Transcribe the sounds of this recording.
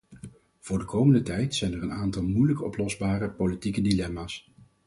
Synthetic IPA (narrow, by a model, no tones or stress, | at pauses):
v̥ʊːɹdəkʰowməndətɛjtsɛjnɛrənaːntɑlˠmujləkɔ̰plɔzbaːrəpolitikədilɛmaːs